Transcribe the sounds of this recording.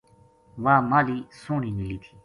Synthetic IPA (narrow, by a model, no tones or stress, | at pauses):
ʋaːmaliːsõninilit̪ʰi̥